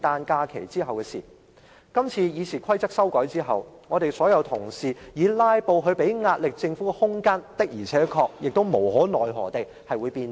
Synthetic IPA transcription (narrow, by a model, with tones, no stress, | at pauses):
t̪aː˧nkaː˧kʰe˨˩jt͡siː˥ɦɐ˨wkɛː˧sḭː˨˩ | kɐ˥mt͡sʰiː˧jiː˨˧sʰiː˨˩kʷʰɐ˥jt͡sɐ˥k̚sɐ˥wkɔː˨˥jt͡siː˥ɦɐ̰˨wŋɔː˨˧t̪e˨jsɔː˨˥jɐ˨˧wt̪ʰʊ˨˩ŋsiː˨jiː˨˧laː˥jpo˨˧wɦɵ˨˧pe˨˥jŋaː˧t̚lɪ˨k̚t͡sɪ˧ŋfuː˨˥hʊ˥ŋkaː˥nt̪ɪ˥k̚jiː˨˩t͡sʰɛː˨˥kʰɔː˧k̚jɪ˨k̚t̪o˥wmo˨˩whɔː˨˥nɔː˨jɦɔ̰ː˨˩t̪e˨j | hɐ˨jwu˨˧jpiː˧n